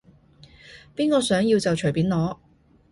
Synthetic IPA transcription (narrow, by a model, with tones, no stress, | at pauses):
piː˥nkɔː˧sœː˨˥ŋjiː˧wt͡sɐ˨wt͡ʃʰɵ˨˩piː˨˥nlɔː˨˧